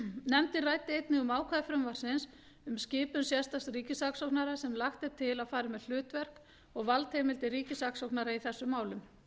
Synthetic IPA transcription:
nɛmt̪ɪraːjt̪ɪejt̪nɪɣʏmaːwkʰvajfɾʏmvar̥sɪns | ʏmscɪːpʏnsjɛst̪ast̪riːcɪsaksowknaɾasɛmlaxt̪ɪt̪ʰɪlaðfaːɾɪmɛðl̥ʏːt̪vɛr̥k | ɔɣvalt̪hejmɪlt̪ɪɾiːcɪsaksowknaɾaiθɛsːʏmːaːwlʏm

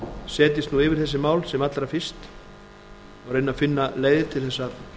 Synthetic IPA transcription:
sɛːt̪̬ɪst̪nuɪːvɪɾ̥θɛsːɪmaːwlsɛmat̪lɾafɪst̪ | ɔɣɾejnafɪnːaleːjðɪ̥t̪ʰɪlθɛsːa

